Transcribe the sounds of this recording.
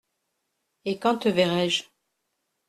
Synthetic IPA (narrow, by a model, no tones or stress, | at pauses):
ekɑ̃t̪əvɛʁɛʒ